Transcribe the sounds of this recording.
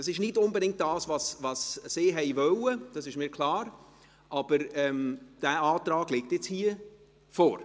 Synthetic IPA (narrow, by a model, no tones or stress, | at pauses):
d̥ɑsɪʃnɪtʊnbədɪŋkt̚d̥ɑːsvɑsvɑsːeːɦɛɪvœləd̥ɑsɪʃmiːkʰlɑːɾ | ʔɑb̥əɾɛmd̥æːɑːtɾɑːɡ̥lɪk̚tjɛt͡shiːə | fɔːɾ